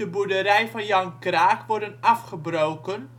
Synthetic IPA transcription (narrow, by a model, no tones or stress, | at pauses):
əbudəɾɛjvɑnjɑŋkraːkʋɔɹdənɑfχəbrowkən